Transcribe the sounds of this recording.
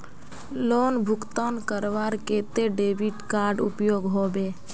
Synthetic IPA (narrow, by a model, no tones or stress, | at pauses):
loːnbʱʊkt̪aːnkəɾʋaɾkeːt̪eɖeːbiʈkaːɾɖʊpjoːɡɦoːbeː